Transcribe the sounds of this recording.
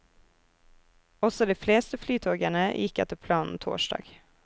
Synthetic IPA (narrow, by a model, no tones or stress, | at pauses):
ɔsɔd̪iːfleːst̪əflyːt̪ʰoːɡæɳəjʔɪkɛ̰t̪əpʰlɑːnn̩t̪ʰo̰ːʃdɑ̰ːɡ̥